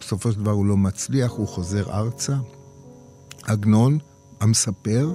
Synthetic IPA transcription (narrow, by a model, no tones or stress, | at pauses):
eso̞fo̞ʃeld̪avaʁulo̞mat͡sliaχuχo̞ze̞ʁa̰ʁt͡sa | aɡno̞n | amesape̞ʁ